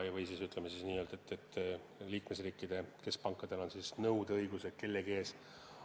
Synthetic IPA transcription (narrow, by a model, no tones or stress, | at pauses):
jvɤjsisyt̪lemesisniːøːlt̪et̪ːet̪ː | liːkme̞sriːkːid̪̥e̞ke̞spɑŋkːˑɑd̪̥e̞lo̞nsisnɤwd̪̥eɤjɡ̥use̞d̪̥ke̞lːeɡe̞ːs